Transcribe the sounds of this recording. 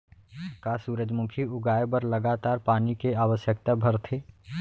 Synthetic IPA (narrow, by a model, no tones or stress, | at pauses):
kasuːɾəd͡ʒmʊkʰiʊɡaːebəɾlɐɡaːt̪aːɾpaːnikeaːʋəʃjək̚t̪abʱɐɾt̪ʰeː